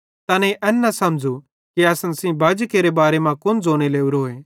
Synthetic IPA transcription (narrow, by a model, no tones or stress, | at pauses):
t̪ɐːnẽʔɛnːɐsɐmd͡ʒu | kiɐsənsĩbɐd͡ʒkeːɾebaːɾemãkʊnd͡zʱoːɽ̃eleːuɾɦoːeː